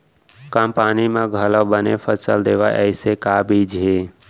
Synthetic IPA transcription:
kampanimeɡʱələwbənepʰəsəld̪eʋajʔə̰ɪsekabid͡ʒɦe

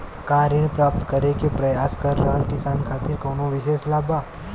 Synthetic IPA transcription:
kaːɾɪɳ̃pɾaːp̚t̪kəɾekepɾɐjaːskɐɾːɐɦəlkɪsaːnkʰaːt̪ɪɾkoːnoʋɪʃeːslaːbaː

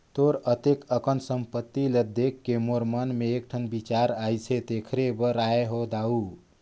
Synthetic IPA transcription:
t̪oɾət̪ekəkənsəmpət̪ːiləd̪ekːemoɾmənmeːk̚ʈʰənbit͡ʃaɾajt͡ʃʰet̪ekʰɾebəɾaeɦod̪au

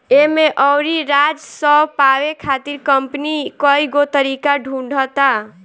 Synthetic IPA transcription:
emeʔɔwɾiɾad͡ʒsəbpawekʰat̪iɾkəmpnikəiɡot̪əɾikaɖʱũɳɖʱət̪a

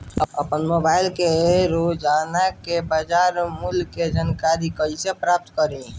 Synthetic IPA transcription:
əəpənmobaːɪlkeɾod͡ʒanakebad͡ʒaːɾmulked͡ʒaːnkaɾikəisepɾap̚t̪kəɾẽ

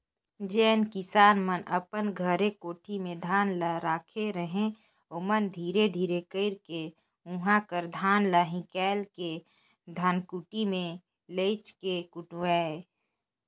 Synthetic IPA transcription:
d͡ʒɛːnkɪsaːnmənʔəpənɡʱəɾekoːʈʰimẽd̪ʱaːnlaɾaːkʰeɾəɦẽ | omənd̪ʱiːɾed̪ʱiːɾekəɪɾke | ũɦãkəɾd̪ʱaːnlaɦĩkɛːlke | d̪ʱaːnkuʈimẽ | leːt͡ʃkekʊʈːɛː

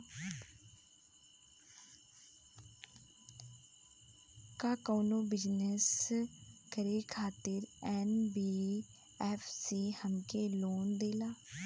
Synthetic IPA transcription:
kaːkoːnoːbɪd͡ʒnəs | kəɾeːkʰaːt̪ɪɾɛːnbiː | ɛːfʰsiːhəmkeːloːnd̪eːlaː

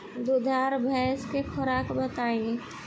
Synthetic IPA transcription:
d̪ʊd̪ʱaːɾbʱɛskekʰɔɾakbət̪aːĩ

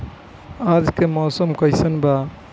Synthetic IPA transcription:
ad͡ʒkemɔːsəmkəjsənba

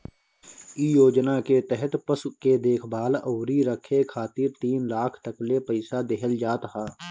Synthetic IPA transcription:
ijoːd͡ʒnaket̪ɛɦɛt̪pəsuked̪eːkʰbaːləːɾiɾəkʰːekʰaːt̪ɪɾt̪iːnlaːkʰt̪əklepəɪsad̪eɦəld͡ʒaːt̪ɦaː

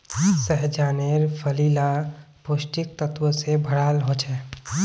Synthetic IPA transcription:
səɦd͡ʒaːneɾpʰəlila | posʈik̚t̪ət̪wəsebʱəɽaːlɦot͡ʃʰɛː

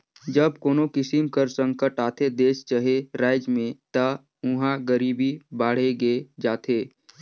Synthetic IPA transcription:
d͡ʒəbkoːnokɪsɪmkəɾsə̃ŋkəʈaːt̪ʰed̪eːst͡ʃəɦeɾaːɪd͡ʒmẽt̪ə | ʊɦãɡəɾiːbibaːɽ̤eɡed͡ʒaːt̪ʰeː

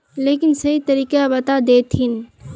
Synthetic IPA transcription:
leːkɪnsəɦit̪əɾiːkabət̪ad̪eːt̪ɦɪn

